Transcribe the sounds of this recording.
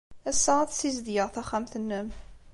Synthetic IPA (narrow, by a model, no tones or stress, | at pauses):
æsːəʁæθsizd̪jəʁθæχæmθənːəm